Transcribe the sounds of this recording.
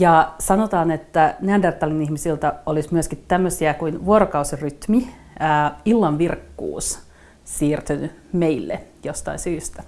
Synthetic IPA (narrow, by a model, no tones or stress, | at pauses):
jɑsɑnot̪ɑːnet̪ːæneɑndert̪ːɑlinihmisilt̪æolismyəskit̪tæmːøsiækuinʋuoɾokɑusiryt̪mi | æːilːɑnʋirkːṵːs | siːrt̪yny | meilːḛjost̪ɑ̰insyːst̪æ̥